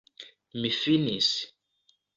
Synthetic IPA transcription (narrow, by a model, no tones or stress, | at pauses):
mifinisi̥